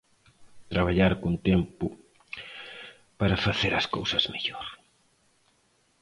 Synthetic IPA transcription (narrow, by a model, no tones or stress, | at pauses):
t̪ɾaβaʎaɾkont̪empʊ | paɾɐfaθeɾɐskowsɐzmeʎoɾ